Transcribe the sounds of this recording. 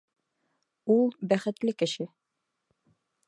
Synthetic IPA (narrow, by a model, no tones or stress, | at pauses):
ulˠbæχɘ̆t̪lɘkɘ̆ʃɘ